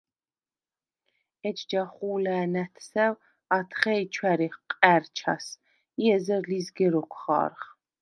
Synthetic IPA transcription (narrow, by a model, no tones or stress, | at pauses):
ɛt͡ʃd͡ʒaχuːlæːnæt̪ʰsɛw | at̪ʰχɛjt͡ʃʰwæɾiχqʼæɾt͡ʃʰa̰s | iɛzɛɾlizɡɛɾɔkʰχɑ̰ːɾχ